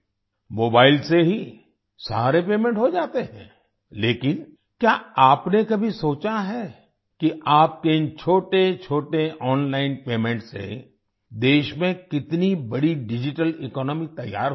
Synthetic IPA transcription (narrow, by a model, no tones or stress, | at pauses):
moːbaːɪlseɦi | sa̰ːɾepeːmẽɳʈɦod͡ʒaːt̪eɦɛ̰̃ː | leːkɪn | kjaːaːpnekɐbʱisoːt͡ʃaɦɛ | kiʔaːp̚keɪnt͡ʃʰoːʈet͡ʃʰoːʈeʔɔːnlaːɪnpeːmɛ̃ɳʈsḛ | d̪eːʃmẽkɪt̪nibɐɽiɖɪd͡ʒɪʈəlɪkɔːnɔːmit̪ɐjːa̰ːɾ